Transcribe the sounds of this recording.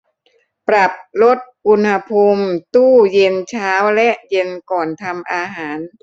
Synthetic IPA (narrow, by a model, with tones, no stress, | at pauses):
pɾa˨˩p̚lo˦˥t̪̚ʔu˧nha˧pʰu˧mt̪uː˥˩je˧nt͡ɕʰaː˦˥wlɛ˦˥ʔje˧nkɔː˨˩nt̪ʰa˧mʔaː˧ɦaː˩˦n